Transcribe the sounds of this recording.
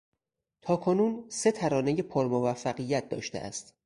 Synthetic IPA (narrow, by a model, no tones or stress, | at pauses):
t̪ʰɒːkʰo̞nuːnse̞t̪ʰæɾɒːne̞je̞pʰoɾmovæfːæɣijæt̪̚d̪ɒ̰ːʃt̪ḛʔæ̰st̪